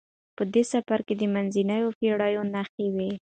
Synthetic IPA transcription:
pəd̪esafaɾked̪əmanzinajofeɽɑjonaxewi

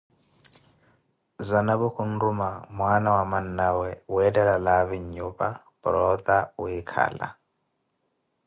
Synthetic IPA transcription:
zanaβukʰun̩rumamwanawamanawɛuɛdɛlalaβiɲupʼa | bɾɔt̪aujikʰa̰ːla̰

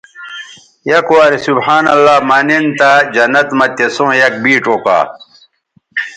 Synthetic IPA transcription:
jɐkowaːɾisubħaːnɐlːaːmɐnent̪ad͡ʑɐnːɐt̪mɐt̪esõːjɐk̚biːʈ͡ʂoka̰ː

